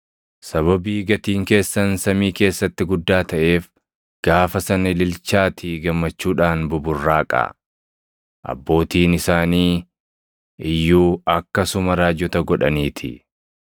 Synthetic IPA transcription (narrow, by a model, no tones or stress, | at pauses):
sɐβɐbiːɡɐt̪iːŋke̞ːsːɐnsɐmiːke̞ːsːɐt̪ːɪɡʊd̪ːaːt̪ɐʔe̞ːf | ɡ̥aːfɐsɐnɪlɪlt͡ʃaːt̪ʰiɡɐmːɐt͡ʃːuːᶑaːnbʊbʊrːaːkʼɐ̰ | ʔɐ̰bːo̞ːt̪iːnɪsaːniː | ɪjːuːɐkːɐsʊmɐɾaːd͡ʒɔt̪ɐɡɔᶑɐniːt̪ʰɪ̰